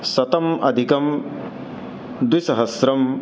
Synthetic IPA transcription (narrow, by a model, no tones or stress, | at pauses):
sɐt̪ɐmɐ̰d̪ʱikɐm | d̪wisɐɦɐsɾɐm